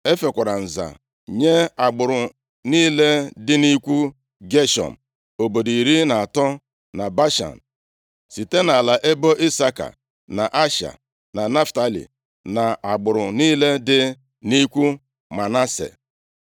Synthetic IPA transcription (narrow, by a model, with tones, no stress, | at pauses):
e˦fe˨kʷa˨ɾa˨n̩˨za̰˨ | ɲe˦a˨ɡ͡bʊ˨ɾʊ˨ | niː˦le˦dɪ˦ni˦kʷu˦ | ɡe˦ʃɔ̰˨m̩˨ | o˨bo˨di˨ɾi˦na˨a˨tɔ˦ | na˨ba˦ʃa̰˨n̩˨ | si˨te˦na˨la˨ʔe˦bo˦ʔi˦sa˦ka̰˨ | na˨ʔa˦ʃa̰˨ | na˨ne˦fta˦lḭ˨ | na˨a˨ɡ͡bʊ˨ɾʊ˨niː˦le˦dɪ˦ | ni˦kʷu˦ | ma˨na˦sḛ˨